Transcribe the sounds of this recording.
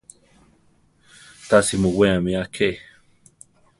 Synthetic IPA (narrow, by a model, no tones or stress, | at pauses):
t̪asimoweamiakʰe